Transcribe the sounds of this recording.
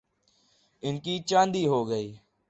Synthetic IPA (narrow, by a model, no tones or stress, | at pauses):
ɪnkiːt͡ʃãːnd̪iːɦoːɡəiː